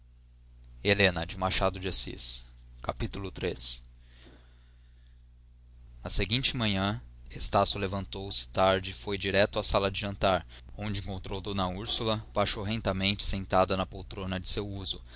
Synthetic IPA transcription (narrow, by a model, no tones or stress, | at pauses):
elẽnɐd͡ʒɪmaʃad̪ʊd͡ʒasḭs | kapit̪ulʊt̪ɾes | nɐseɡĩt͡ʃɪmɐ̃ɲɐ̃est̪asjʊlevɐ̃nt̪owsɪ̥t̪aɾd͡ʒɪfojd͡ʒiɾɛt̪ʊasalɐd͡ʒɪʒɐ̃nt̪aɾ | õd͡ʒɪẽŋkõnt̪ɾowd̪õnɐuɾsulɐb̥aʃowɦẽnt̪ɐmẽnt͡ʃɪ̥sẽnt̪ad̪ɐnɐpowt̪ɾõnɐd͡ʒɪsewuzʊ